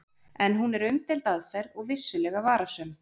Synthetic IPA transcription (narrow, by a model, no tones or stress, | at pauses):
ɛnɦunɛɾʏmt̪ʰɪlt̪aðfɛɾðɔɣvɪsːʏlɛːɣavaːɾasʏm